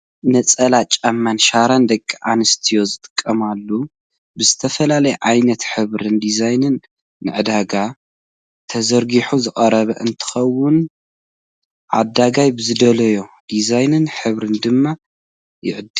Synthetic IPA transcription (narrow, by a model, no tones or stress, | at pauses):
nɐt͡sʼɐlat͡ʃʼamːanʃaɾand̪ɐkʼːiʕa̰nɨst̪ʰijo̞zɨt̪ʼɨ̥kʼːɐmalːu | bɨzɨt̪ʰɐfɐlalɐjɛʕajnɐt̪ħɨβɾɨnd̪izajnɨnː | ɨ̰ʕɨd̪aɡa | t̪ʰɐzɐɾɡiħuzɨkʼɐɾɐβɐʔɨnt̪ʰɨ̥xɐwːʊn | ʕa̰d̪aɡajbɨzɨd̪ɐlɐjo̞d̪izajnɨnħɨβɾɨnd̪ɨmːa | jɪ̰ʕɨd̪ɨ